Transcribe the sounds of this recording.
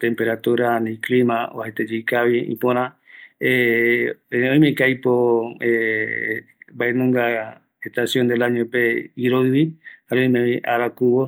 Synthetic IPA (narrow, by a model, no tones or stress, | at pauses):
t̪ẽ̞mpe̞ɾat̪uɾanĩklimão̰hat̪ed͡ʒijkaʋiḭ̃põɾ̃ãe | õj̃mekajpoe | baenũŋɡa | eht̪asjond̪elaɲopeiɾoɨβihaõj̃mẽβiʔaɾakuβo